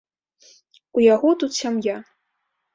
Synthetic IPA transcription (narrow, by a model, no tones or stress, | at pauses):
ujaɣɔt̪ut̪sʲamja